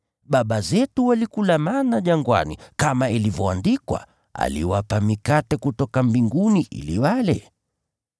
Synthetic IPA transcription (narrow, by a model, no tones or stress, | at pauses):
ɓaɓazɛtuwalikulamanaʄaŋɡwa̰nḭkamailivɔandikwa̰ | a̰liwapamikatɛkutɔkambiŋɡuniʔḭliwalɛ